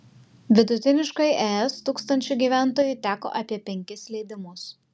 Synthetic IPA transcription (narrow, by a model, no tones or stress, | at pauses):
ʋʲɪd̪ʊt̪ʲɪnʲɪʃkɐɪʔɛːɛst̪uːkst̪ɐnʲt͡ʃʲʊɡʲiːʋʲæˑnt̪oːjʊɪt̪ʲæːko̰ːʔɐpʲiɛpʲɛŋʲkʲɪslʲɛɪd̪ʲɪmʊs